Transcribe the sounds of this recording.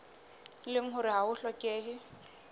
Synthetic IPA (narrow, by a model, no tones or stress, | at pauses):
lɪŋ̩ɦʊɾɪɦaʊɬɔkʼeːɦɪ